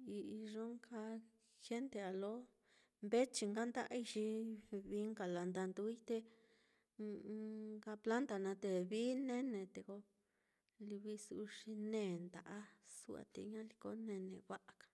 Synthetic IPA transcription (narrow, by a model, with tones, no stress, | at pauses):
i˧i˧ʐo˦ŋka˧ | xe˦nt̪e˧a˨lo˦ | mbe˦t͡ʃi˧ŋɡa˦nd̪a˦ʔa̰˦˧i˧ʃi˧βi˧˦ŋka˨la˨nd̪a˧nd̪u˧˦i˦t̪e˧ | ka˧pla˦nt̪a˨nã˧t̪e˧βi˦nẽ˦nẽ˨t̪e˧ko˧ | li˧βi˧su˧ʂi˧nẽː˦˧˨nd̪a˨ʔa˦su˦a̰˧t̪ḛ˧ɲã˦li˧ko˧˦nẽ˧nẽ˧βa˦ʔa˨kḁ˨